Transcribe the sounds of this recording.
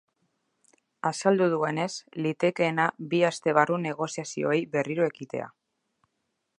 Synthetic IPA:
asald̪uð̞ue̞ne̞slit̪e̞ke̞ːnabiast̪e̞β̞arune̞ɣ̞o̞siasio̞̰ejβe̞riɾoe̞kit̪e̞̰a̰

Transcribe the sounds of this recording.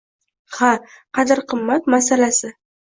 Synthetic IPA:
ha | qʰɑd̪ɪɾqʰɨmːat̪masalasɪ

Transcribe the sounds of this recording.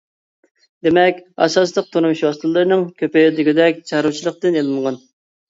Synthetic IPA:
d̪emɛkʲɑ̰sɑslˠəq̚t̪ʰuɾmuʃwɑst̪ɨlˠːɨɾnɨŋkʲʰøped̪ɪɡʲɪd̪ɛkʲt͡ʃʰɑɾut͡ʃʰilˠəq̚t̪ɨnelˠɨnʁɑn

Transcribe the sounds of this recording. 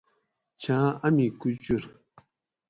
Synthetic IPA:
t͡ɕʰaaʔamikyt͡ɕuɹ

